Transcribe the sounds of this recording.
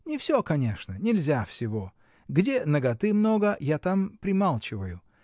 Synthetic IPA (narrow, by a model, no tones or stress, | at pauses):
nʲɪfsʲokɐnʲe̞ʂnənʲɪlʲzʲafsʲɪvo̞ | ɡdʲe̞nəɡɐt̪ɨmno̞ɡəjat̪ampɾʲɪmalˠt͡ɕɪvəjʊ